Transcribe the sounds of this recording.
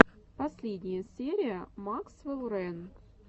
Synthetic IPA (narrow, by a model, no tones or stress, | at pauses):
pɐsʲlʲedʲnʲɪjəsʲeɾʲɪjəmaksvɨlˠɾɛn